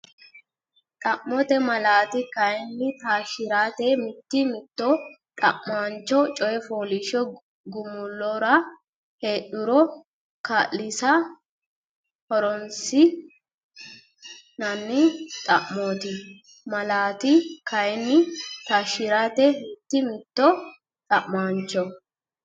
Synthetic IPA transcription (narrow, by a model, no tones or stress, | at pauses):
t̪ʼɐʔːɔt̪ɛmɐlaːt̪ɪkɐjɛnːɪt̪aːʃɪɾaːt̪ɛmɪt̪ːɪmɪt̪ːɔ | t̪ʼɐ̰ʔmant͡ʃːɔt͡ʃʼɔjɛfoːlɪʃɔ | ɡʊmʊlːɔɾɐ | he̞ːʔʊɾɔ | kaːllɪsɐ | hɔɾɔnsɪ | nɐnːɪt̪ʼɐʔmoːt̪ɪ | mɐlaːt̪ɪkɐjɛnːɪt̪aːʃːɪɾaːt̪ɛmɪt̪ːɪmɪt̪ːɔ | t̪ʼɐʔmaːnt͡ʃːɔ